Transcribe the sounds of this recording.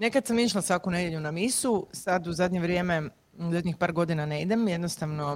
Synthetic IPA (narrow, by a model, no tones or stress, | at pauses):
ne̞kad̪samiʃlasʋakune̞d̪jeʎunamisusad̪uzad̪ʲɲeʋɾje̞me̞ | uzad̪ɲixpaːɾɡo̞d̪inane̞id̪emjed̪nost̪aʋno